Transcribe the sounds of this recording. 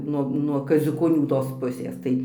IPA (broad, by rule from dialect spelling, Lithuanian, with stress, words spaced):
ˈnuɔ nuɔ kɐzʲʊkoːˈnʲuː toːs ˈpʊsʲeːs ˈtɐɪ